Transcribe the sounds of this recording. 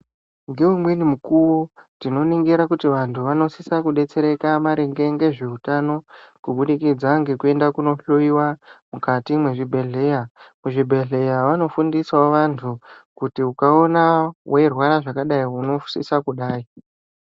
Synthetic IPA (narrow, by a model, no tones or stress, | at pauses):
ŋɡewumwenimukuwotino̞niŋɡiɾakutiʋantʰuʋano̞sisakuɗe̞t͡se̞ɾe̞kamaɾeŋɡe̞ŋɡe̞ʐeutano̞kuɓuɗikid͡zaŋɡe̞kue̞ndakuno̞ɬoiwamukatimweʐibʱe̞ɮe̞jamuʐibʱe̞ɮe̞jaʋano̞fundiswaʋantʰukutiukao̞nawerwaɾaʐakaɗaiuno̞sḭsakuɗaːi